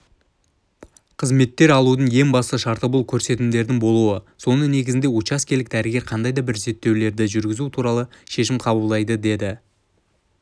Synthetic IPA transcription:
qʰəzme̞t̪ːe̞ɾɑlˠud̪əɴje̞ŋbɑst̪əʃɑɾt̪əbʊlˠkʲʰɵɾse̞t̪ɪmd̪e̞ɾd̪ɪŋbo̞lˠuwəso̞nəne̞ɡʲɪzɪnd̪e̞wot͡ʃɑskʲelɪk̚d̪æɾɪɡʲe̞ɾqʰɑnd̪ɑjd̪ɑbɪɾze̞t̪ːe̞wle̞ɾd̪ɪʒʏɾɡʲɪzut̪ʰuɾɑlˠəʃe̞ʃɪmqʰɑbəlˠd̪ɑjd̪əd̪e̞d̪ɪ

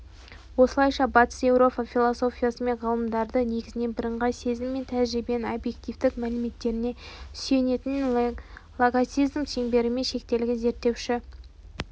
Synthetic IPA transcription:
wo̞səlˠɑjʃɑbɑt̪ə̥sje̞wɾo̞pɑfʲilˠoso̞fʲijasəmeʁɑlˠəmd̪ɑɾd̪əne̞ɡʲɪzɪne̞bɪɾəɴʁɑse̞zɪmːe̞nt̪ʰæʒɾibenobje̞kt̪ijvd̪ɪkmælɪme̞t̪ːe̞ɾɪne̞sje̞ne̞t̪ɪn | lˠoɡasizmsʰeŋbe̞ɾɪme̞nʃe̞k̚t̪e̞lɪɡʲɪze̞ɾt̪ːe̞wʃɪ

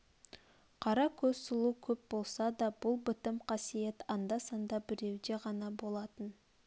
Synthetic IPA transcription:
qʰɑɾɑkʲʰɵz̥sʊlˠukʲʰɵp̚bo̞lˠsɑd̪ɑbʊlˠbɪt̪ɪmqʰɑsije̞t̪ɑnd̪ɑsɑnd̪ɑbɪɾe̞wd̪e̞ʁɑnɑbo̞lˠɑt̪ən

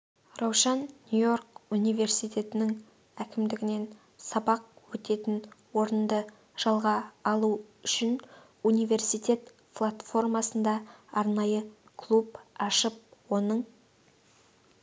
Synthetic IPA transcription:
rɑwʃɑnːjujo̞rkunijve̞rsijt̪ʲe̞t̪ɪnɪŋ | ækʲɪmd̪ɪɡʲɪne̞n | sɑbɑq̚wɵt̪e̞t̪ɪnwo̞ɾənd̪ə | ʒ̥ɑlˠʁɑːlˠu | ʏʃɪn | unijve̞rsijt̪ʲe̞t̪ | plˠat̪fo̞rmɑsənd̪ɑɑɾnɑjə | kʰlˠupɑʃəp̚wo̞nəɴ

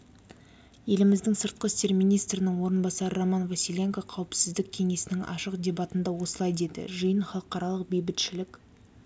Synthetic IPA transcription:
je̞lɪmɪzd̪ɪŋsəɾt̪̚qəst̪e̞ɾmijnijst̪ɾɪnɪŋwo̞ɾənbɑsɑɾəɾomɑnvasʲilʲe̞ŋkaqʰɑwɪpsɪzd̪ɪk̚ʲʰe̞ŋe̞sɪnɪŋɑ̰ʃəqd̪ʲe̞bɑt̪ənd̪ɑwo̞səlˠɑjd̪e̞d̪ɪ̰ʒəjənχɑlˠəqɑɾɑlˠəq̚be̞jbɪt̪ʃɪlɪkʲ

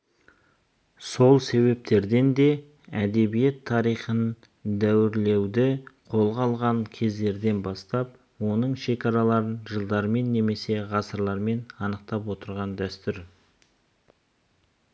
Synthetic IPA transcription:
so̞lˠse̞βe̞p̚t̪e̞ɾd̪e̞nd̪e̞ | æd̪e̞bije̞t̪ʰːɑɾijχən | d̪æwɪɾle̞wd̪ɪqʰo̞lˠʁɑlˠʁɑŋkʲʰe̞zd̪e̞ɾd̪e̞nbɑst̪ɑp̚ | wo̞nəɴʃe̞kʲɑɾɑlˠɑɾənʒəlˠd̪ɑɾme̞nːe̞me̞se̞ʁɑsəɾlˠɑɾme̞nɑnəq̚t̪ɑpwo̞t̪əɾʁɑnd̪æst̪ʏɾ

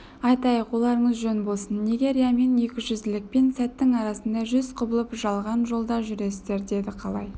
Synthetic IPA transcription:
ɑjt̪ɑjəqwo̞lˠɑɾəɴəzʒɵnbo̞lˠsənːeɡʲe̞ɾʲijame̞ne̞kʲɪʒʏzɪlɪk̚pe̞nsæt̪ːɪŋɑɾɑsənd̪ɑʒʏz̥qʰʊbəlˠəpʒɑlˠʁɑnʒo̞lˠd̪ɑʒʏɾe̞sɪzd̪e̞ɾd̪e̞d̪ɪqʰɑlˠɑ̰j

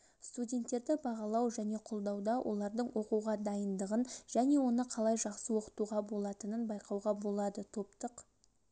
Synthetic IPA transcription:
st̪udʲe̞nt̪ːe̞ɾd̪ɪbɑʁɑlˠɑwʒæne̞qʰolˠd̪ɑwd̪ɑwʔo̞̰lˠɑɾd̪əɴwʔo̞quʁɑd̪ɑjənd̪əʁənʒ̥æne̞wo̞nəqʰɑlˠɑjʒɑqsəwo̞qə̥t̪uʁɑbo̞lˠɑt̪ənənbɑjqɑwʁɑbo̞lˠɑd̪ət̪ʰo̞pt̪əq

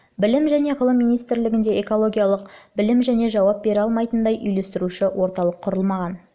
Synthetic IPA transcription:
bɪlɪmʒæne̞ʁəlˠəmːijnijst̪ɪɾlɪɡʲɪnd̪e̞eko̞lˠo̞ɡʲijɑlˠəqbɪlɪmʒæne̞ʒɑwɑp̚be̞ɾɑlˠmɑjt̪ənd̪ɑjʔʏjle̞st̪ɪɾuʃɪwo̞ɾt̪ɑlˠəqʰːʊɾəlˠmɑʁɑn

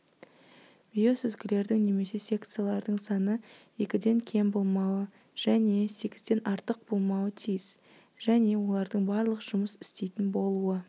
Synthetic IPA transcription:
v̥ijo̞sʏzɡʲɪle̞ɾd̪ɪŋne̞me̞se̞sʲe̞kt̪sɨjalˠɑɾd̪əɴsɑnə | e̞kʲɪd̪e̞ŋkʲʰe̞mbo̞lˠmɑwə | ʒ̥æne̞se̞kʲɪzd̪e̞nʔɑɾt̪əq̚bo̞lˠmɑwət̪ʰijɪz̥ | ʒ̥æne̞wo̞lˠɑɾd̪əɴbɑɾlˠəqəʒʊməsɪ̥st̪e̞jt̪ɪnbo̞lˠuə

